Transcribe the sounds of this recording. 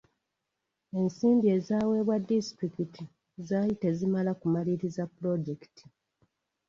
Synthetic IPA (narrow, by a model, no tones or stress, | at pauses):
e̞nsiːmbie̞ːzaːwe̞ːβwadːisi̥tɾikiti | zaːjite̞zimalakumaliɾizapːuɾo̞ɟeki̥tʰi̥